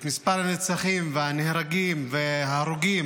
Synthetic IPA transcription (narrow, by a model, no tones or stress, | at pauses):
t̪mispaʁlhanet͡saχimvehanehɾaɡimvehaːɾuɡim